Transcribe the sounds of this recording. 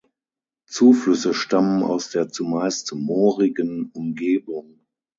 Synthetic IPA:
t͡suːflʏsəʃtaməna̰ʊsd̥eːɐt͡sumaɪstmoːʁɪɡənʊmɡeːbʊŋ

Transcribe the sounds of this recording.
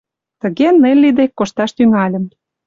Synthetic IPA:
t̪ə̆ɣenːelʲːid̪ekːoʃt̪ɑʃt̪yŋɑlʲə̆m

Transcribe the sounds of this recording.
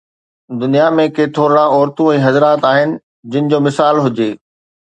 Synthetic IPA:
d̪ʊnijamẽket̪ʰoːɾɽ̃ãɔːɾt̪ũɛ̃ːɦɐzɾaːt̪aːɦɪnɪ̆ | d͡ʑɪnɪ̆d͡ʑoːmɪsaːlɦʊd͡ʑeː

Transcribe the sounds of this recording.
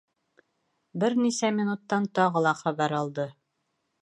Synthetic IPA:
bɘɾnisæmʲɪnut̪ːɑnt̪ɒʁɤ̆lˠɑχæβæɾɒlˠd̪ɤ

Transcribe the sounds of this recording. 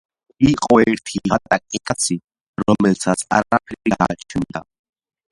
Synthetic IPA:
iqʼɔɛɾt̪ʰiʁat̪ʼakʼɛkʼat̪sʰi | ɾɔmɛlt̪ʰat̪sʰa̰ɾapʰɛɾiɡat͡ʃʰɛnd̪a

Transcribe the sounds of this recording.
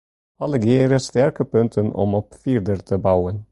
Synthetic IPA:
ɑlɛɡeːɾəst̪æɾkəpʉŋt̪ʰənɔ̰mɔpfiːɾd̪əɾt̪ʰəbɑʊən

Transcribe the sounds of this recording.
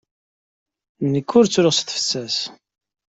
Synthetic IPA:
nːəkːʊɾt͡sːɾʊʁsθfə̥t͡sːæs

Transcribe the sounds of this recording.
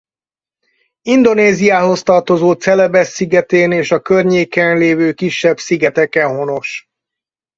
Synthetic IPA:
ind̪oneːzijaːɦo̞st̪ɒrt̪o̞zoːt̪sɛlɛbɛsːiɡɛt̪eːneːʃɒkørɲeːkɛnleːvøːkiʃːɛbsiɡɛt̪ɛkɛnɦo̞no̞ʃ

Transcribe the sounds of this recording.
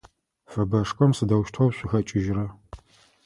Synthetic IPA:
fɐbɐʂkʷʼɔmsɨdɐwʃtʰɐwɕʷʼɪxɐt͡ʃʼɪʒrɐ

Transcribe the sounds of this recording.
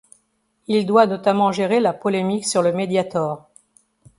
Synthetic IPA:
ild̪wanɔt̪amɑ̃ʒeʁelapɔlemiksyʁləmed̪jat̪ɔːʁ

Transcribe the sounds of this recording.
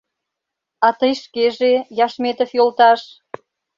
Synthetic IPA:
ɑt̪əjʃkeʒejɑʃmet̪əfjolt̪ɑʃ

